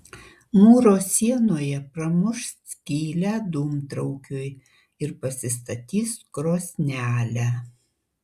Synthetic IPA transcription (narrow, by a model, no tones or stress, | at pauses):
muːɾoːsʲiɛnoːjɛpɾɐmʊʃsʲkʲiːlʲæd̪uːmt̪ɾɐʊkʲʊj | ɪɾpɐsʲɪst̪ɐt̪ʲiːskɾoːsʲnʲæːlʲæ